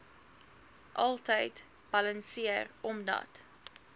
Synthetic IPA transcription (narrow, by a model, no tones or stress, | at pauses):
ʔɐlˠtəjt | b̥ɐlənsiərɔmdɐ̰t